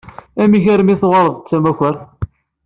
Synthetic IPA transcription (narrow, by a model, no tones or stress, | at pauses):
æmiçæɾmiθʁɑɾˤðt͡sːæmæçʷəɾ